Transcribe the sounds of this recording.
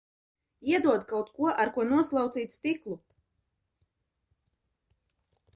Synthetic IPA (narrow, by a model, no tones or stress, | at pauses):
iɛd̪uɔd̪kawt̪kuɔʔaɾkuɔnuɔslˠɑwt̪siːt̪st̪iklˠu